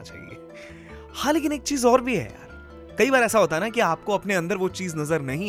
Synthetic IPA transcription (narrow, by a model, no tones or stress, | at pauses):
t͡ʃa̰ːɦḭḛː | hãːleːk̬ɪneːk̚t͡ʃiːzɔːɾbʱiɦɛ̰ja̰ːɾ | kɐibaːɾɛːsaɦoːt̪aɦnakiaːp̚koɐpneɐ̃nd̪əɾʋot͡ʃiːznɐzəɾnɐɦĩ